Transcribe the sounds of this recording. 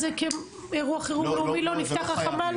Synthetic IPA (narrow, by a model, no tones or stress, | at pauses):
zekem | eʁuaχeʁumeumilo̞nift̪aχaχaman